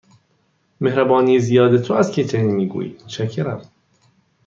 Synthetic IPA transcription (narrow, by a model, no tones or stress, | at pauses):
mehɾæbɒːnijezijɒːd̪et̪ʰoæzcʰet͡ʃʰenimiːɡṵːjḭ̥mot̪ʃʰæcʰːeɾæm